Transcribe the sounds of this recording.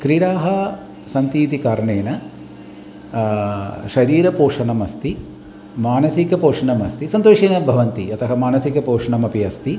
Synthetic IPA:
kɾiːɽaːɦɐ | sɐnt̪iːt̪ikaːɾɐɳeːnɐ | ʃɐɾiːɾɐpoːʂɐnɐmɐst̪i | maːnɐsikɐpoːʂɐɳɐmɐst̪isɐnt̪oːʂeːnɐbʱɐʋɐnt̪iɐt̪ʰɐɦɐmaːnɐsikɐpoːʂɐɳɐmɐpiɐst̪i

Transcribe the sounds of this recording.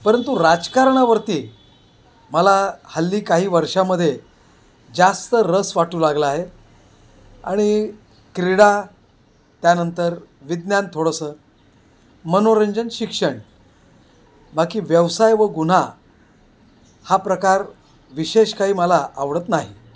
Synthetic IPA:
pəɾənt̪uɾad͡zkaɾɳaʋəɾt̪iː | məlahəlːiːkaɦiːʋəɾʂaməd̪ʱːje | d͡zast̪əɾəsʋaʈuːlaɡləaɦe | a̰ɽ̃i | kɾiɽa | t̪janənt̪əɾ | ʋid̪njant̪ʰoɽəsəː | mənoɾəɲd͡ʑənɕikʂəɳ | bakiːʋjəʋsajʋəɡun̤a | hapɾəkaɾ | ʋiɕeɕkaɦiːməlaaʋɽət̪naɦḭ

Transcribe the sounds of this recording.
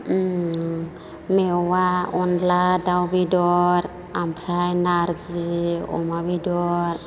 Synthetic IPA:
mɛwaɔnladawbidɔɾ | ampʰɾajnaɾd͡ʒiɔ̰mabidɔɾ

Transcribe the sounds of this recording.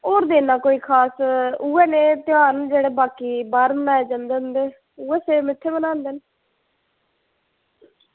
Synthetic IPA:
oːɾd̪eːnaːkoːiːkʰaːsuːɛːnẽːt̪ɪjaːnd͡ʒeːɽeːbaːkiːbaːɾmnaːeːd͡ʒãnd̪eːʊnd̪eː | uːɛːseːmɪt̪ʰːeːbənãːnd̪en

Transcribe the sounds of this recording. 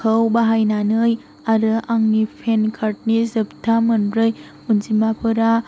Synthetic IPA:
kʰəwbaɦajnanɯj | aɾɯʔaŋnipʰenkʰaɾt̚nizɯp̚tʰamɯnbɾɯj | unzimapʰɯɾa

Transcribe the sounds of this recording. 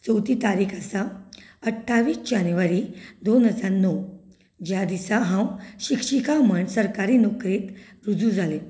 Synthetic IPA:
t͡səwt̪iːt̪aɾiːkʰasaəʈʰːaʋiːsd͡ʑanjʋaɾiːd̪onɦəd͡zaɾnɔ | d͡ʑjad̪isaɦãwɕikʂikaməɳsəɾkaɾiːnɔkɾet̪ | ɾud͡zud͡zʱale

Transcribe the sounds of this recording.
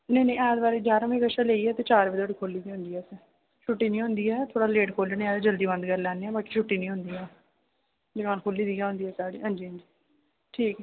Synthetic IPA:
nẽːnẽːɛːd̪baːɾed͡ʒaːɾmĩːkəʃaːleːiːɛːt̪eːt͡ʃaːɾbɪd̪oːɽiːkʰoːliːd̪iːɦʊ̃nd̪iːɛːsɛ | t͡ʃʰʊʈːiːnĩːɦʊ̃nd̪iːɛːt̪ʰoːɽaːleːʈkʰoːleneːɛːd̪ed͡ʒəld̪iːbə̃nd̪kəɾlɛːneːɛːbaːki̥ːt͡ʃʰʊʈːiːnĩːɦʊ̃nd̪iːɛː | d͡ʒɪkaːnkʰoːliːd̪iːɛːɦʊ̃nd̪iːɛːsaːɽḭːɦãːnd͡ʒiːɦə̃nd͡ʒiː | ʈʰiːkɛ

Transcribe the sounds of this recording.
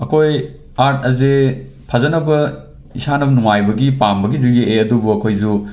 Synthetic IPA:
ɐkʰoj | aɾt̚ɐze | pʰɐzɐnɐbɐ | isanɐbɐnuŋajbɐɡipambɐɡiziɡeʔeɐdubuɐkʰojzu

